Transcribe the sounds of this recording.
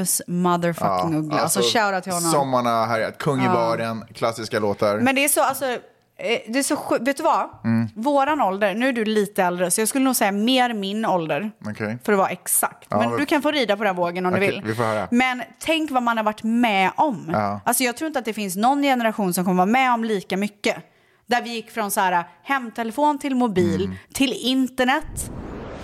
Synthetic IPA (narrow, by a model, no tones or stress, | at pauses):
smaðəɾfakːɪŋɵɡlaasɔɕaːɾat̪ʰɪlhɔnːɔmsɔmːaɳaɦæɾja̰kʰɵŋːɪbɑːɖənkʰlasːɪskaloːt̪aɾmɛnd̪ɛæʂɔalsɔ | d̪ɛːʂɔɧʉveːt̪ːʉvavoːɾanɔld̪əɾnʉ̟ːæɖɵliːt̪əɛld̪ɾəsɔjɑːɡskɵlːnuːɡsɛjːameːɾmɪnɔld̪əɾɔkʰɛfœɾɔvaʔɛksa̰kt̪mɛnd̪ɵkʰanfoːɾiːd̪apʰɔd̪ɛnvoːɡənɔmdd̪ʉvɪlːɪfohœːɾa̰mɛnt̪ʰɛŋkvamanhaɾvaʈːmɛʔɔmalsɔjɑɡt̪ʰɾuːɪnt̪at̪d̪ɛfɪnsnɔnːjɛnəɾaɧuːnsɔmkɔmːəvɑːmɛɔmliːkamʏkːə | d̪æɾvɪjɪkːfɾɔnsɔhæːɾahɛmːt̪ʰɛlɛfoːnt̪ʰɪlmʊbiːlt̪ʰɪlɪnt̪əɳɛt̪ː